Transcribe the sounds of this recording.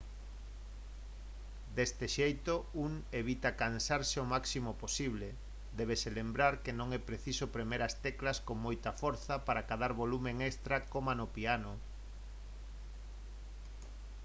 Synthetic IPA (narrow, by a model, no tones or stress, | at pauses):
d̪est̪eʃejt̪ouŋeβit̪akansaɾseomaksimoposiβle | d̪ɛβ̞eselembɾaɾkenõŋɛpɾeθisopɾemeɾast̪ɛklaskoŋmojt̪ɐfoɾθapaɾakaðaɾβolumeŋest̪ɾakomanopiano